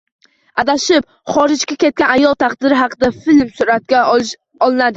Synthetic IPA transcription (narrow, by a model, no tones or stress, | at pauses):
ad̪aʃɪp̚ | χɒɾɪd͡ʒɡʲakʲe̞t̪̚kʲanajɒlˠt̪ʰaqd̪ɪɾɪɦɑqʰɨd̪afɪlmsʊɾat̪̚ʲa | ɒlˠɪnad̪ɪ